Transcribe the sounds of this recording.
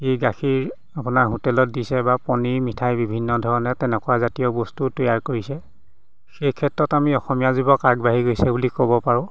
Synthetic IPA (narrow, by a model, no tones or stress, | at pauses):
ejɡaxiɹ | apʊnaɹɦutɛlɔt̚disɛbapɔniɹmitʰajbibʱinːɔdʱɔɹɔnɛtɛnɛkʊwazatijɔbɔstutɔjaɹkoɹisɛ | xejkʰɛtɹɔtamiɔxɔmijazibɔkaɡbaɦiɡojsɛbulikɔbɔpaɹʊ̃